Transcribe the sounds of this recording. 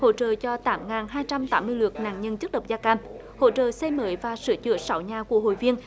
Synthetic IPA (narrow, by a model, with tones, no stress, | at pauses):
ho̰˧˥t͡ɕə̰ː˧˨t͡ɕɔ˧t̪aː˨˦mŋaː˨˩nɦaː˧jt͡ɕa˧mt̪aː˨˦mːɨ˧əjlwɨ˨˩ək̚na̰ː˧˨ŋɲə˧nt͡ɕɨ˦˥k̚ɗə˨˩w̚zaː˧kaː˧m | ho̰˧˥t͡ɕə̰ː˧˨se˧jməː˨˦jvaː˨˩sɨ̰˧˦ət͡ɕɨ̰˧˩əsa˨˦wɲaː˨˩ku˧˩əho̰˧˨jvi˧ən